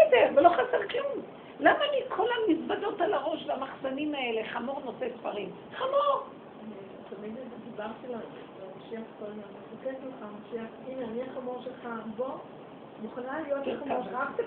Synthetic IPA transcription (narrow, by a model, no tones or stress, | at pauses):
deʁvelo̞χaseʁklum | lamalikʰo̞lamisbado̞talaʁo̞ʃvamaχzanimaeleχamo̞ʁno̞sesfaʁim | χamoʁ | tamid̪d̪ibaʁtila | amaʃiaχkoljonefaketleχamaʃiaχinaniaχamoʁʃelχabo | muχanalijotkʃaχt̪